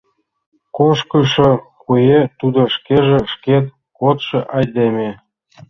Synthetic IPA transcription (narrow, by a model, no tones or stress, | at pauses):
koʃkɤʃɤ̆kujet̪ud̪ŏʃkeʒĕʃket̪̚ | kot̪ʃɤ̆ʔɑjd̪emʲe